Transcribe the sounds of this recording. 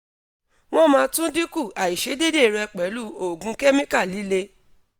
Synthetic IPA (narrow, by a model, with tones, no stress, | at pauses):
w̃ɔ̃˦mãː˧˦tũ˦di˦ku˦˨a˨i˨ʃe˨˦de˦de˦˨ɾɛ˧k͡pɛ˨˦lu˦˨o˨ɡũ˧˦kɛ˦mĩ˦ka˦˨li˨˦le˧